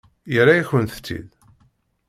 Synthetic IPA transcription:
jəɾajiçwənθə̥t͡sːḭð

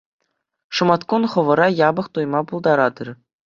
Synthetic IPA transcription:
ʂɤ̆mɑt̪kunχɤ̆ʋɤ̆ɾɑjɑbɤ̆χt̪ujmɑpulˠd̪ɑɾɑd̪ɤ̆r

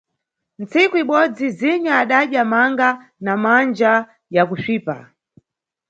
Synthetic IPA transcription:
nt͡sikuiɓɔd͡ziziɲaːɗaɗjamaŋɡa | namand͡ʒa | jakuʃiːpa̰

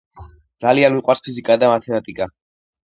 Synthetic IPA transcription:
d̪zalianmiqʼwaɾspʰizikʼad̪amat̪ʰɛmat̪ʼikʼa

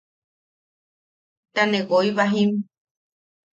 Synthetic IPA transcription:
t̪anẽɡoiβaɦĩm

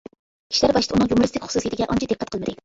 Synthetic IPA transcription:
kʲʰi̥ʃlæɾbɑʃt̪ɨunɨŋjumʊɾɨst̪ɪkʲχʊ̥susit̪ɪɡʲɛʔɑnt͡ʃʰɑd̪ɨp̚qːɛt̪̚qəlˠmɨd̪ɪ

